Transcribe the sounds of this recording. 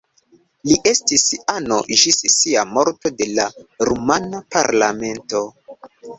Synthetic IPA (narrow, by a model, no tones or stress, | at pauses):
liʔe̞stisano̞̰ʒissiamo̞ɾto̞de̞laɾumanapa̰ɾlame̞nto̞